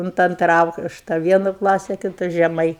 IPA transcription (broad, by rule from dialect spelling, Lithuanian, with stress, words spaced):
ʊnt ˈɐntrɐ ˈɐʊkʃtɐ ˈʋʲiɛnʊ ˈklˠɑːsʲɪ kʲɪˈtʊ ʒʲɛˈmɐɪ